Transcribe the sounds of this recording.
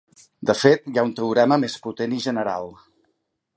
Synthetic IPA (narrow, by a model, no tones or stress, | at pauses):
d̪əfet̪jaunt̪əuɾɛməmesput̪eniʒənəɾa̰lˠ